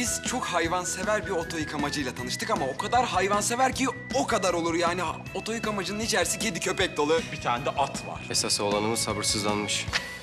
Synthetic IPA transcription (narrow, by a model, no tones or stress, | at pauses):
biz̥t͡ʃʰo̞khajvanse̞væɾbio̞t̪ʰo̞jikamad͡ʒɯjlˠat̪ʰanɯʃt̪ʰɯkamao̞kʰad̪aɾɦajvanse̞væɾcio̞kad̪aɾo̞lˠuɾjaːni | o̞t̪ʰo̞jikamad͡ʒɯnɯnit͡ʃʰæɾsiced̪icʰø̞pɛc̚d̪o̞lˠɯbit̪ʰaːnd̪ɛʔat̪ʰva̰ɾ̥esasolˠanɯmɯsabɯɾsɯzlˠanmɯʃ